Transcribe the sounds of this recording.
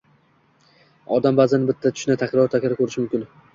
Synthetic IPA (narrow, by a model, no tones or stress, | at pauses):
ɒd̪ambazɪnɪbɪt̪ʰːat̪ʰʊ̥ʃnat̪ʰakɾɒɾt̪ʰakʲɪɾkʰɵɾɪʃɪmʊmkʲɪn